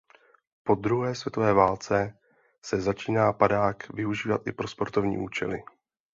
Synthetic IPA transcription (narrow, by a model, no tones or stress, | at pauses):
po̞d̪ɾuɦɛːsvjɛt̪o̞vɛːvaːlt͡sɛ | sɛzat͡ʃiːnaːpadaːkvɪuʒiːvat̪ʔɪpɾo̞spo̞ɾt̪ovɲḭːʔṵːt͡ʃɛlɪ̰